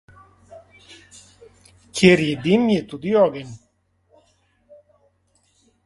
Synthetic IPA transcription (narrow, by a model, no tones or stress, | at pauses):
kʰeɾijed̪imjet̪ud̪ijɔɡen